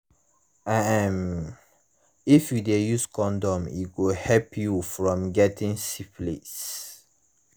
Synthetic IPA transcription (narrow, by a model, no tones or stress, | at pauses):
aam | ifjudejuskɔ̃ndɔ̃mḭɡohɛpʰjufɹɔ̃mɡɛtĩŋsiplḭs